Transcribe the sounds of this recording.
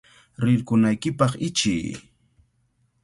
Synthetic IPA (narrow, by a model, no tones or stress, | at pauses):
ɾɪɾkʊnajkɪpɑχɪt͡ʃɪ̰jː